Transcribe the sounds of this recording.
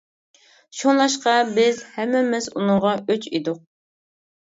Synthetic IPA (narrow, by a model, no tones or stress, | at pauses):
ʃonlˠɑʃqɑbɪzhɛmːɪmɪzunʊŋʁɑøt͡ʃʰid̪ʊq̚